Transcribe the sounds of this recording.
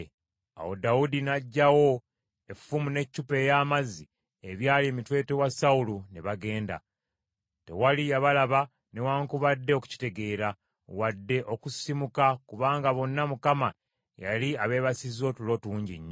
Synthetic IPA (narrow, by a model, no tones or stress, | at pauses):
a̰wo̞̰dawudinaɟːawo̞ | e̞fːumune̞cːupe̞jaːmazːi | eβjaːlie̞mitwe̞ːte̞wasaulune̞βaɡe̞ːnda̰ | te̞̰walijaβalaβa | ne̞waːŋkuβadːe̞oku̥ci̥te̞ɡe̞ːɾa | wadːe̞ʔo̞kusimukakuβaːŋɡaβo̞nːamukama | ja̰liaβe̞ːβasizo̞tulo̞ːtuːɲɟḭɲːo